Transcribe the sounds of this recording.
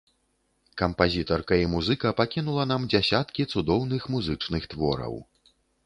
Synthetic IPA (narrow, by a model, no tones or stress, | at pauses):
kɐmpazʲit̪ɐrkɐimuzɨkɐpakʲinulˠɐnamd͡zʲasʲat̪kʲit̪sud̪ɔwnɨxmuzɨt͡ʂnɨxt̪vɔ̰ɾɐ̰w